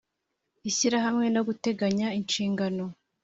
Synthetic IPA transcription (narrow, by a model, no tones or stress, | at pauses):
içiɾaɦamŋe̞noɡute̞ɡaɲaint͡ʃiːŋɡano̞